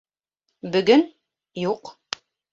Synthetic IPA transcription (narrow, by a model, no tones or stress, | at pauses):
bɵ̆ɡɵn | juq